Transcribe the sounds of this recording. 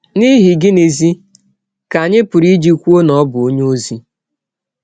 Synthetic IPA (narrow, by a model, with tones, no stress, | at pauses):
ni˦ɦi˨ɡɪ˦ne˨zi˦ | ka˨ɲɪ˦pʊ˨ɾi˦d͡ʒi˦kʷu˦o˦nɔ˨˦bʊ˨o˦ɲe˦o˦zi˦